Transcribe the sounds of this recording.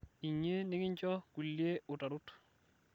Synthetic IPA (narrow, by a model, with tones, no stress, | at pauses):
i˨ɲːe˦nɪ˦ŋɪ˦ɲt͡ʃɔ˦ku˨lje˦ʊ˨ta˨ɾʊ˦t